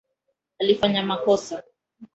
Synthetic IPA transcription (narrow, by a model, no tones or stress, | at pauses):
alifaɲamakɔsa